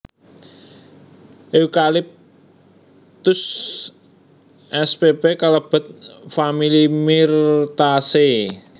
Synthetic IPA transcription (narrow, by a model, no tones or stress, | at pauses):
ʔeukalɪp̚ | t̪ʊs | ʔɛspepekaləb̥ə̤t̪̚familimirt̪ase